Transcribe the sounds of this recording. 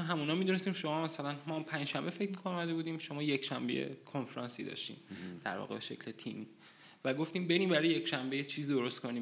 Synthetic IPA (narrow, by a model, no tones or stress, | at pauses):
ɦæmuːnɒːmid̪une̞st̪iːmʃo̞mɒːmæsælænmɒːmpʰænd͡ʒʃæmbefe̞cʰmikʰonomæd̪e̞buːd̪iːmʃo̞mɒːje̞kʃæmbḛjḛkʰo̞nfeɾɒnsḭːd̪ɒ̰ʃt̪ḭːmd̪̥æ̰ɾvɒ̰ːɣebe̞ʃe̞cʰlet̪ʰiːmiː | væɡo̞ft̪iːmbe̞ɾiːmbæɾɒːjeje̞kʃæmbejet͡ʃʰiːzid̪oɾost̪kʰo̞niː